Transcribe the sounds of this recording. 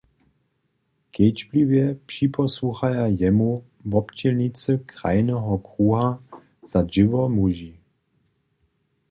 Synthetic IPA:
kʰɛt͡ʃblivjɛpʂipɔsuxajajɛmu | vɔpt͡ɕɛlnit͡səkʁa̰jnɛɦɔkʁuːɦa | z̥ad͡ʒɪvɔmuʒi

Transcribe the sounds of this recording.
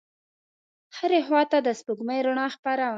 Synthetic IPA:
həɾexwɑt̪ad̪əspuɡməjɾʊɳɑxpaɾa

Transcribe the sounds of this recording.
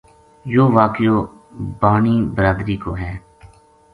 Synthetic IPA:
joːʋaːkɪjoː | baːniːbəɾaːd̪ɾiːkoːɦɛː

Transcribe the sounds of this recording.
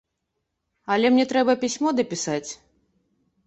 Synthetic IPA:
ɐlʲɛmnʲɛt̪ɾɛbɐpʲisʲmɔd̪ɐpʲisat͡sʲ

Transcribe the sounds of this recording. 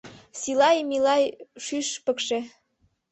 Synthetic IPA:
silɑjmilɑjʃyʃpə̆kʃĕ

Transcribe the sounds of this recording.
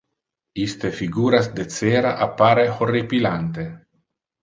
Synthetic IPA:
ist̪efiɡuːɾasd̪et͡seɾaʔapːaɾexoripilant̪e

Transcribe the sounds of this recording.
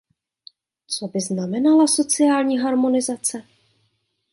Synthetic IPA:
t͡so̞bɪznamɛnalaso̞t͡sɪjaːlɲiːɦaɾmo̞nɪzat͡sɛ

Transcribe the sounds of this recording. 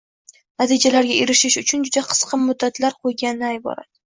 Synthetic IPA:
nat̪ʰid͡ʒalaɾɡʲaeɾɪʃɪʃʊt͡ʃʰʊnd͡ʒʊd̪aqʰɨ̥sqʰɨmːʊd̪ːat̪laɾqʰojɡʲanɪnajbɒ̰ɾa̰d̪̥ɪ

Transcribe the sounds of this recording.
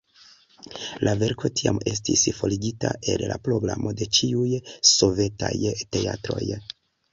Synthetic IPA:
lʔave̞ɾko̞tiame̞s̬tisfo̞liɡitaʔe̞llapɾo̞ɡlamo̞de̞t͡ʃiujso̞ve̞tajte̞atɾo̞j

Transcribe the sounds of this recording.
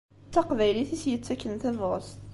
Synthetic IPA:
t͡sːɑqvæjliθisjət͡sːækːənθævos

